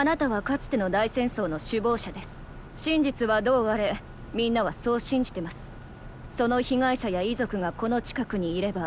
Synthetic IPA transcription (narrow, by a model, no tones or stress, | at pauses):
anat̪aβakat͡sɨ̥t̪e̞no̞d̪aisẽ̞ɰ̃so̞ːno̞ɕɨbo̞ːɕad̪e̞sɨ̥ | ɕĩɲ̟d͡ʑit͡sɨβad̪o̞ːaɾe̞ | mʲĩnːaβ̞aso̞ːɕĩɲ̟d͡ʑi̥t̪e̞masɨ̥ | so̞no̞çiŋaiɕajaizo̞kɯ̟ɡako̞no̞t͡ɕi̥kakɯ̟ɲ̟iːɾe̞ba